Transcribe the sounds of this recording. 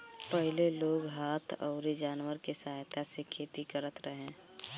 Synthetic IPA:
pəɦleloːɡɦaːt̪ʰɔ̰ʊɾid͡ʒaːnwəɾkesaɦɦt̪asekʰeːt̪ikəɾət̪ɾəɦẽː

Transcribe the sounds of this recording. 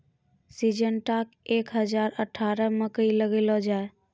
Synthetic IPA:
sid͡ʒənʈakekɦəd͡ʒaɾəʈʰaɾəməkəiləɡelɔd͡ʒae

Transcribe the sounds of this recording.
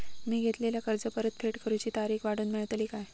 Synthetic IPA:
miːɡʱet̪leljakəɾd͡zəpəɾət̪̚fʰeʈkəɾut͡ɕiːt̪aɾiːkʋaɽ̤uːnmiɭt̪əliːkaj

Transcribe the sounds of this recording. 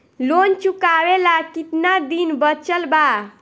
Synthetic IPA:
lont͡ʃukabelakit̪nad̪inbət͡ʃəlba

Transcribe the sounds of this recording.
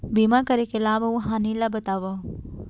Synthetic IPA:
bimakɐɾekeɐlaːʋauɦaːnilabət̪aːʋa

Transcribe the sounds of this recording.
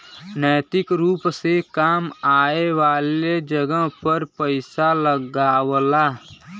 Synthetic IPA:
nəːt̪ɪkɾuːpsekaːmaːeʋaːled͡ʒəɡəɦpəɾpəɪsaləɡaːwlaː

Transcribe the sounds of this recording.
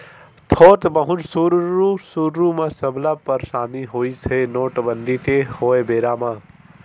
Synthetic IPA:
t̪ʰoːt̪bɐɦʊ̃d͡ʒsuːɾusuːɾɾuːmãsɐblaːpɐɾʃaːniɦoːisenoːʈbɐnd̪it̪ehoːebeːɾaːmãː

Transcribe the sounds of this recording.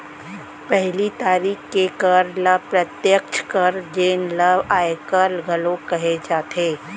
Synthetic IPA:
pɛɦlit̪aːɾiːxkːekəɾləpɾət̪jəkt͡ʃʰkɐɾd͡ʒeːnləbaːekəɾɡʱɐlõkɐɦed͡ʒaːt̪eː

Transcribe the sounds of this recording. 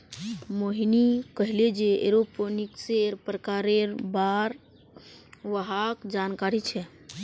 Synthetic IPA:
moɦinikəɦiled͡ʒeḛɾoponikseɾpɾəkaɾeɾbaɾ | ʋəɦakd͡ʒankaɾit͡ʃʰɛ

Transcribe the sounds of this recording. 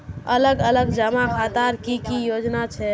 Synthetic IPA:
ələɡələɡd͡ʒəmakʰat̪aɾkikijod͡ʒnat͡ʃʰɛ

